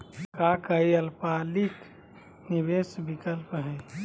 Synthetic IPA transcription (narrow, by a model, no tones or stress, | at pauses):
kakəiəlpalik | nibesbikəlpɦɛ̃